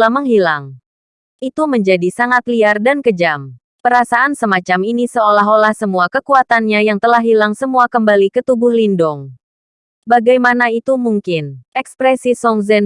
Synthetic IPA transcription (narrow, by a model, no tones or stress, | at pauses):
laməŋɦilaŋ | ʔit̪uməɲd͡ʒadisaŋat̪liardankəd͡ʒam | pəɾasaʔansəmat͡ʃaminisəolaɦolahsəmuakəkuat̪anɲajaŋt̪əlahɦilaŋsəmuakəmbalikət̪ubʊhlindʊŋ | baɡajmanait̪umuŋkɪnɛkspɾɛsisɔŋzɛn